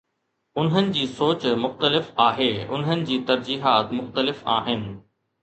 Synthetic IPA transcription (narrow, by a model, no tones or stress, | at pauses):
ʊnɦənɪ̆d͡ʑiːsoːt͡ɕmʊxt̪əlɪfaːɦeːʊ̰nɦənɪ̆d͡ʑiːt̪ɐɾd͡ʑiːɦaːt̪mʊxt̪əlɪfa̰ːɦɪnɪ̆